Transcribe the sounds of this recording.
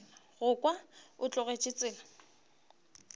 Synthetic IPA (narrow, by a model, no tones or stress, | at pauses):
ɣʊkʼwaʊt͡ɬʼʊɣet͡ʃʼɪt͡sʼɪːla